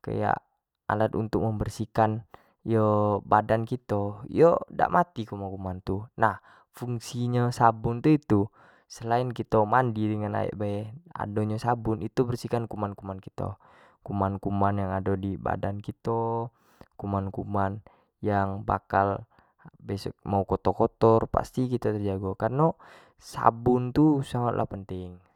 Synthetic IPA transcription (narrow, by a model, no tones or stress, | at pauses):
ka̰ja̰ʔ | a̰lat̪ṵnt̪ʊk̚məmbərsikan | jəbadankit̪oḭjoda̰ʔmʔat̪ikumakumant̪unah | fuŋsiɲasabʊnt̪uit̪u | səlainkit̪omandidəŋana̰ɛ̰ʔbaɛa̰doɲasabunit̪ubərsikankumankumankit̪o̰ | kumankumanjaŋadodiba̰dankit̪o | kumankuman | jaŋba̰kal | bɛsɔ̰k̚maukɔt̪okɔt̪ɔrpa̰st̪ikit̪at̪ərd͡ʒaɡokarno | sa̰bunt̪usaŋat̪̚lʔa̰hpənt̪iŋ